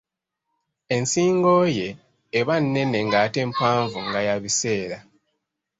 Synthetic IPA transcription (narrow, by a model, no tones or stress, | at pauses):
e̞nsiːŋɡo̞je̞ː | βanːe̞ne̞ŋɡate̞ːmpaːɱvuŋɡajaβise̞ːɾa